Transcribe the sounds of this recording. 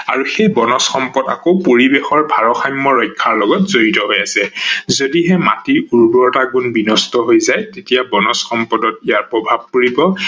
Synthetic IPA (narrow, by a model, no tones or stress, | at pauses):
a̰ɹuxejbɔnɔsxɔmpɔda̰kopoɹibexɔɹbʱaɹɔxajmːɔɹɔjkʰːaɹlɔɡɔtzoɹitɔɦojasɛzodiɦɛma̰tiuɹbɔtaɡunbinɔstɔɦojzajtetijabɔnɔsxɔmpɔdɔtijaɹpɹɔbʱab̚kuɹibɔ